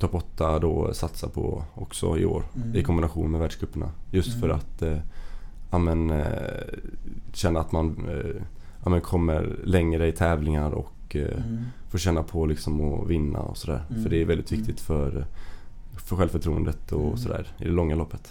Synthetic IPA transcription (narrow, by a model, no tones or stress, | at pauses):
t̪ʰɔpːɔt̪ːad̪ɔsat̪sapʰɔ̰ɔksɔ̰ɪo̰ːɾɪkʰɔmbɪnaɧuːnmɛvæːɖʂɡɾɵpːəɳa̰jɵst̪fœɾa̰t̪ | amɛn | ɕɛnːəɾat̪man | aːmɛnkʰɔmːə̰ɾlɛŋɾəɪt̪ʰɛːvlɪŋaɾɔ̰k | foːɕɛnːapʰɔlɪksɔmɔvɪnːa̰ɔ̰sɔd̪æ̰ːɾfœɖɛːɾvɛld̪ɪt̪vɪk̚t̪ɪt̪fœɾ | fœɾɧɛlvfœʈʰɾuːə̰nd̪ət̪ɔsɔd̪æ̰ːɾɪd̪ɛlɔŋːalɔpːət̪